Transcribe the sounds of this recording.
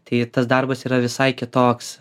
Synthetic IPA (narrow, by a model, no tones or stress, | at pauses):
t̪ɐɪt̪ɐsd̪ɐrbɐsiːɾɐʋʲɪsɐɪkʲɪt̪oːks